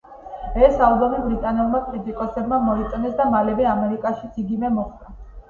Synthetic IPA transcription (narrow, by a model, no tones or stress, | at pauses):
ɛsaud̪ɔnibɾit̪ʼanɛlˠmapʼɾit̪ʼikʼɔsɛbmamɔit̪sʼnɛsd̪amalɛbɛamɛɾikʼaʃit̪sʰiɡimɛmɔχt̪ʼa